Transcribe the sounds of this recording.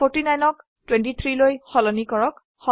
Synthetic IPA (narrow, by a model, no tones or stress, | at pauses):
oɹtinajnɔk | twɛntit̪ʰɹilojxɔlɔnikɔɹɔk | xɔ